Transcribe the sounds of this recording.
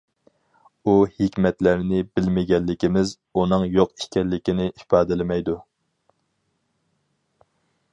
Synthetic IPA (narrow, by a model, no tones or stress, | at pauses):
uhikʲmɛt̪læɾnɪbɪlmɪɡʲɛlːɪkʲɪmɪz | unɨŋjoqi̥ʃkʲɛlːɪkʲinɪʔipɑːd̪ɪlɪmɛjd̪u